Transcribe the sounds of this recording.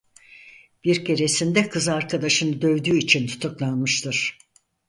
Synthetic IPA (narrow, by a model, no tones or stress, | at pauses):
b̥iɾkʰe̞ɾe̞sind̪ɛkʰɯzaɾkʰad̪aʃɯnɯd̪ø̞vd̪yːit͡ʃʰint̪ʰu̥t̪ʰuklˠanmɯʃt̪ʰɯɾ̥